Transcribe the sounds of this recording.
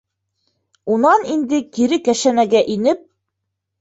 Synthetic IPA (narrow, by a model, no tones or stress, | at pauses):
unɑnind̪ɘkiɾɘkæʃænæɡæʔinɘp̚